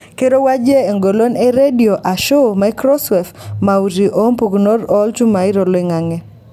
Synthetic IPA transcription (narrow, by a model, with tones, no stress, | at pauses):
ke˦ɾo˦wa˦d͡ʒe˦e˨ŋɡo˨lo˦ne˦ɾe˦di˨o˨ʔa˨ʃo˦ma˦kɾɔ˦sɔ˨fma˨u˨ɾi˨ʔo˦mpu˨kno˦ɾɔ˦lt͡ʃu˦ma˨ɪ˦ɾo˨lɔ˦i˦ŋa˨ŋɛ˦